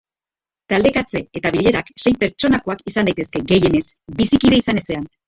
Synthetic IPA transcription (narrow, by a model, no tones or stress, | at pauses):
t̪ald̪e̞kat͡se̞et̪aβiʎe̞ɾakse̞jpe̞ɾt͡ʃo̞nako̞akisand̪ajt̪e̞ske̞ɡe̞je̞ne̞sbisikiɾe̞isane̞se̞an